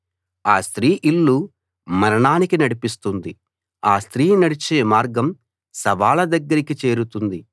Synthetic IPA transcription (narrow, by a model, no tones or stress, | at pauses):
aːst̪ɾiːʔilːu | mɐɾɐɳaːnikinɐɽipist̪und̪i | aːst̪ɾiːnɐɽit͡ʃeːmaːɾɡɐm | sɐʋaːlɐd̪ɐɡːɐɾikit͡ʃe̞ːɾut̪und̪i